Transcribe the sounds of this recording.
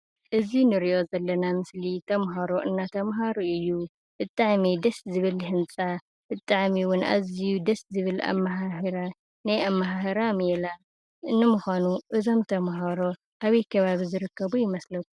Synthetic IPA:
ʔɨzinɨɾiʔo̞zɐlːɐnamɨslit̪ʰɐmɦaɾo̞ʔɨnːat̪ʰɐmɦaɾuʔɨjːu | b̥ɨt̪ʼaʕmid̪ɐszɨβɨlhɨnt͡sʼa | bɨt̪ʼːaʕmiwʊnʔa̰zijud̪ɐszɨβɨla̰mːaɦahɾa | najamːaɦahɐɾamɛla | ʔɨnːɨmuxanuʔɨzo̞mt̪ʰɐmɦaɾo̞ | ʔaβɐjkʰɐβaβizɨɾɨkːɐβujɪmɐslɐkːu

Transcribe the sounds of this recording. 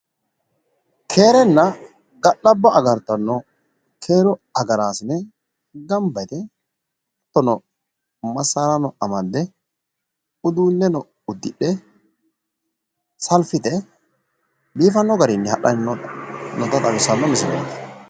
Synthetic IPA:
kʰe̞ːɾɛnːɐ | ɡɐɗːɐbːɐʔɐɡɐɾt̪ːɐnːɔ | kʰe̞ːɾɔɐɡɐɾaːsɪnɛ | ɡɐmbɐjt̪ɛ | t̪ːɔnɔ | mɐsːaːɾɐnɔɐmɐd̪ːɛ | ʊd̪uːnːɛnɔ | ʊd̪ːɪɗːɛ | sɐlfɪt̪ɛ | biːfɐnːɔɡɐɾɪnːɛhɐɗɐnnːɔnɔt̪ɐt̪ʼɐbɪsːɐnːɔmɪsɪɾɐ̰d̪ɐ̥

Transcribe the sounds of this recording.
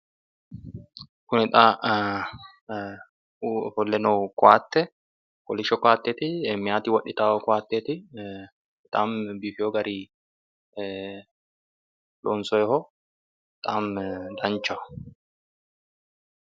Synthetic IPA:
kʊnɪt̪ʼaː | fɔlːɛnɔːkʼɔaːt̪ːɛ | kɔlɪʃɔkaːt̪ːeːt̪ɪɛmːɪjaːt̪ɪwɐɗːɪt̪aːɔkʊaːt̪ːeːt̪ɪ | ɪt̪ʼaːmbifɪjɔɡɐɾiː | lɔːnsɔjɛhɔ | t̪ʼaːmd̪ɐnt͡ʃːɐ

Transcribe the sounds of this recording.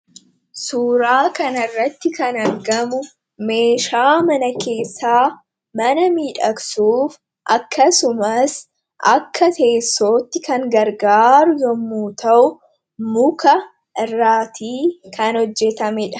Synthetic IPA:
suːɾaːkɐnɐrːɐt̪ːɪkɐnɐɾɡɐmʊ | me̞ːʃaːmɐnɐke̞ːsːaː | mɐnɐmiːᶑɐksuːf | ʔɐkːɐsʊmɐs | ʔɐkʰːɐt̪e̞ːsːoːt̪ːɪkɐŋɡɐɾɡaːɾʊjɔmːuːt̪ʰɐʔʊ | mʊkɐ | ʔɪrːaːt̪ʰiːkɐnɔd͡ʒːɛt̪ɐmɛᶑɐ̥

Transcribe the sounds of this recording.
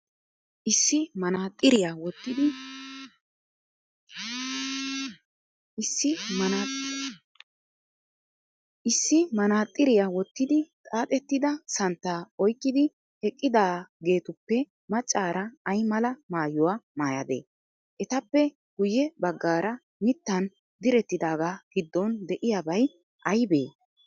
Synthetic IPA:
ʔɪsːɪmɐnaːt̪ʼːɪɾɪjawɔt̪ːɪd̪ɪ | ɪsːɪmɐna | ʔɪsːɪmɐnaːt̪ʼːɪɾɪjawɔt̪ːɪd̪ɪt̪ʼaːt̪ʼɛt̪ːɪd̪ɐsɐnt̪ːaːɔjkʼːɪd̪ɪ | hɛkʼːɪd̪aːɡe̞ːt̪ʊpːɛ | mɐt͡ʃʼːaːɾɐːjmɐlɐmaːjʊwamaːjɐ̰d̪ḛː | ʔɛt̪ɐpːɛ | ɡ̥ʊjɛbɐɡːaːɾɐ | mɪt̪ːɐn | d̪ɪɾɛt̪ːɪd̪aːɡaːɡ̥ɪd̪ːɔnd̪ɛʔɪjabɐj | ʔɐjbe̞ː

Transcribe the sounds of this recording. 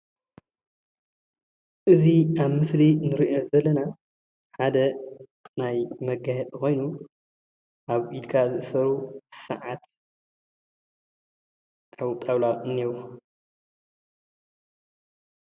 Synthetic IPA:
ʔɨziaβmɨslinɨɾiʔo̞zɐlːɐna | ħad̪ɐnajmɐɡahɛt̪ʼxo̞jnu | ʔaβʔid̪kʰazɨʔɨsɐɾusɐ̰ʕat̪ | ʔawt̪ʼaβlalɨnːiwu

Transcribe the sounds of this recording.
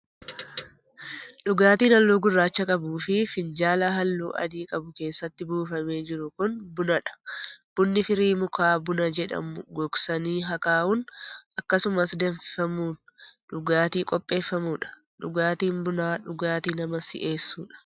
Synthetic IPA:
ᶑʊɡaːt̪iːnɐlːoːɡʊrːaːt͡ʃːɐkʼɐbuːfɪfɪnd͡ʒaːlɐɦɐlːṵːʔɐ̰d̪iːkʼɐbʊke̞ːsːɐt̪ːɪbuːfɐme̞ːd͡ʒɪɾʊkʊnbʊnɐᶑɐ̥b̥ʊnːɪfɪɾiːmʊkʰaːbʊnɐd͡ʒɛᶑɐ̰mʊɡɔksɐniːɦɐkaːʔʊnʔɐkːɐsʊmɐsd̪ɛnfɪfɐmuːn | ᶑʊɡaːt̪iːkʼɔpʼːe̞ːfːɐmuːᶑɐ̥ | ᶑʊɡaːt̪iːnbʊnaːᶑʊɡaːt̪iːnɐmɐsɪ̰ʔe̞ːsːuːᶑɐ̥

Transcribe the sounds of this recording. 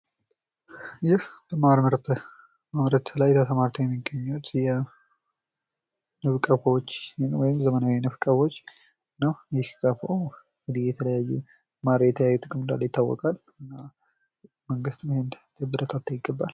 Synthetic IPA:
jɪhbəmaɾməɾt̪ʰ | mamɾət̪ʰlajt̪ʰət̪ʰəmaɾt̪ʰəwjɛmːiɡəɲːut̪jɛ | nɨβkʼəfwot͡ʃːnwɔjɪmzəmənawinɨfkʼəfo̞t͡ʃː | nəwjɪhkʼəfaw | ŋɡɨd̪ihjɛt̪ʰələjajːu | maɾjɛt̪ʰəjajːut̪ʼɨkʼɨmɨnd̪a̰lːəjɪt̪ʰːawːɔ̰kʼal | ɨnːa | məŋɡɨst̪ɨmhɪnd̪d̪̥əbɨɾət̪ʰat̪ʰːəjɪɡːəbːal

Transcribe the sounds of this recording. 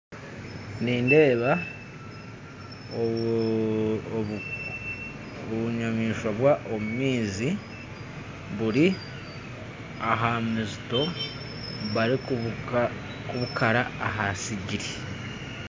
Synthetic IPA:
niːnde̞ːβa | o | oβuɲamiːʃwaβwaʔo̞mumiːzi | βuɾi | aɦamizito̞ | βaɾi | kuβukʰaɾaaɦasiɟiɾi

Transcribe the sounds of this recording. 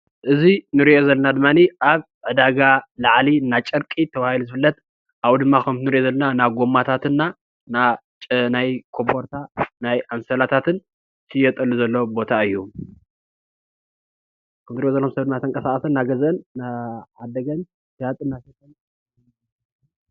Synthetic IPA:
ʔɨzinɨɾiʔo̞zɐlːɐnad̪ɨmːaniʔaβ | ʕɨd̪aɡalaʕlinːat͡ʃʼɐɾkʼit̪ʰɐβahiluzɨfɨlːɐt̪ | ʔaβd̪ɨmːakʰɐmt̪nɨɾiʔo̞zɐlːɐnanaɡo̞mːat̪ʰat̪ɨnːa | nat͡ʃʼnajkʰombo̞ɾt̪ʰanajʔamsɐlat̪ʰat̪ʰɨn | sʰɨjːɛt̪ʼɐlːuzɐlːo̞bo̞t̪ʰaɨjːu | kʰɐmt̪ɨɾijozɐlːokumsɐβd̪ɨmːat̪ʰɨŋkʼɐsakʼɐsɐnːaɡɐzʔɨnːaʕad̪ːɐɡɐn | sɨjat̪ʼɨnːaset̪ʼɐn

